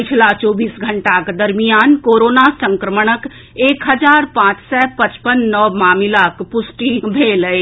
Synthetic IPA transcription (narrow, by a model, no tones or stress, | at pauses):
pɪt͡ʃʰlat͡ʃɔːbiːsɡʱɐ̃ɳʈakd̪ɐɾmijaːnkoːɾoːnasə̃ŋkɾəməɽ̃ək | eːkɦɐd͡ʒaːɾpãːt͡ʃsɛpɐt͡ʃpənːɔːmaːmilaːkpʊsʈibʱeːləe